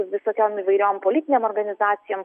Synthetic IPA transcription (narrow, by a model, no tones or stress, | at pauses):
ʋʲɪsoːkʲoːmiːʋɐɪɾʲoːmpoːlʲɪːt̪ʲɪnʲeːmɔːɾɡɐnʲɪzɑːt̪sʲɪjoːm